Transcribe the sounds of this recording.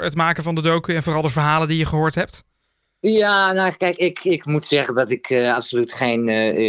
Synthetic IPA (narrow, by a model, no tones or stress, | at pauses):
ətmaːkəvɑndədowkəɛnvʊːrɑlˠdəvəɹɦaːlˠəndijəχəɦoːɹtɦɛp̚t | jaːnakɛjkɪkɪkmutsɛχəndɑtɪkʰɑpsolytχejn